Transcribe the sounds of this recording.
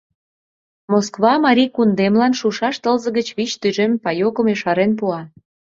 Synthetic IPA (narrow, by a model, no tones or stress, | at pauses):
moskβɑmɑɾʲikund̪emlɑnʃuʃɑʃt̪əlzə̆ɡɣət͡ɕβit͡ɕt̪yʒempɑjokəmeʃɑɾenp̬uɑ